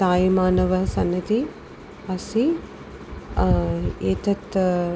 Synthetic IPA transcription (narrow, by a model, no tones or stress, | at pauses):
t̪aːjimaːnɐʋɐsɐnːɐt̪i | ɐsi | eːt̪ɐt̪